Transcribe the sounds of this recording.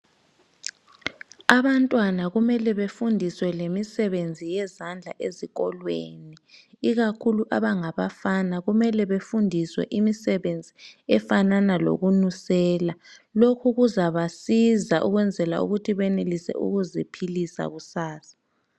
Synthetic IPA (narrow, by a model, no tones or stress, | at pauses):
aβantʼwanaɣumɛlɛβefundʱiswɛlemisɛβend͡zʱijɛzand͡ɮʱa̰ʔeziɣɔlwḛni | iɣakʰuluʔaβaŋaβafanaɣumɛlɛβefundʱiswɛ̰ʔimisɛβend͡zʱiɛfananalo̰ɣunusɛːlalokʰuɣuzaβasizaʔuɣwɛnd͡zʱɛla̰ṵɣutʰiβɛnelisɛ̰ʔṵɣuzipʰilisa̰ɣusaːsḁ